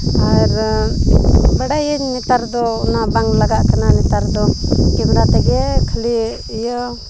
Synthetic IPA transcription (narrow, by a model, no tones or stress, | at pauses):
aɾ | bəɽajnɛt̪aɾd̪ɔnabaŋlaɡaʔkananɛt̪aɾd̪ɔkɛmɽat̪ɛɡɛkʰəli | jə